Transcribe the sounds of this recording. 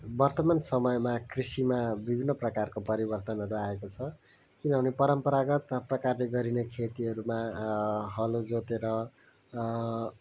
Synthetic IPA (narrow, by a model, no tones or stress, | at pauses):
bʌrt̪ʌmansʌmʌjmakrisimabibʱinːʌprʌkarkopʌɾibʌrt̪ʌnɦʌɾuaekot͡sʰʌ | kinʌbʱʌnepʌɾʌmpʌɾaɡʌt̪prʌkarleɡʌɾinekʰet̪iʌɾuma | ɦʌlod͡zot̪eɾʌ